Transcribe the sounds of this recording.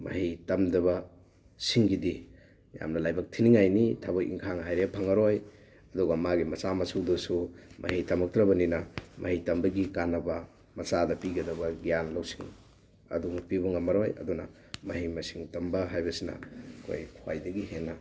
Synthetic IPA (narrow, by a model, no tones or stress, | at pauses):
mɐ̰hijtɐmdɐβɐ | siŋɡidi | ja̰mnɐlajbɐk̚tʰiniŋajnitʰabokʔḭŋkʰaŋhajɾepʰɐŋɐɾoj | ɐdɔɡɐmaɡimɐsamɐsuwdusumʔɐ̰ɦitɐmɐk̚tɾɐbɐninɐmʔɐ̰hijtɐmbɐɡikanɐbɐ | mɐsadɐpiɡɐdɐbɐɡijanlawsi̥ŋ | ɐ̰duŋpibɐŋɐmɐɾojɐ̰dunɐ̰ | mɐɦijmɐsiŋtɐmbɐɦajbɐsinɐ̰kʰo̰jkʰwa̰jdɐɡiɦenːɐ